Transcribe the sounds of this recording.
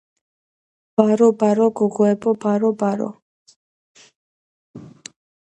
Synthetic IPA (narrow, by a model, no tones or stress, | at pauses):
b̥aɾɔbaɾɔɡɔɡɔɛbɔbaɾɔbaɾɔ̰